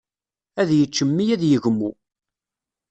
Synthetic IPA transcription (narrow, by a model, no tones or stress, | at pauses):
æðjət͡ʃːəmːijæðjəʝmːu